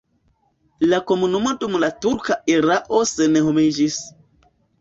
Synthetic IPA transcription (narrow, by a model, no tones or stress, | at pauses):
lakomunumotʼumulatuɾkaʔiɾaʔosenehomid͡ʒis